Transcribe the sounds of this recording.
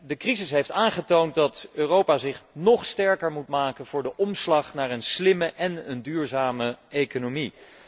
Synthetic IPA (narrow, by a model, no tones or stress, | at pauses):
dəkrizɪsɦejftaːnχətownt̚dɑtøːrowpaːzɪχnɔχstɛɹkəɹmutmaːkənvʊːɹdəʔɔmslɑχnaːɹənslɪməʔɛnəndyːɹzaːməejkonomi